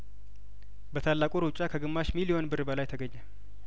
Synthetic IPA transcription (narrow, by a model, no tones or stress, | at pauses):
bət̪ʰalːakʼuɾut͡ʃʼakʰəɡɨmːaʃmilio̞nbɨrbəlajt̪ʰəɡəɲːal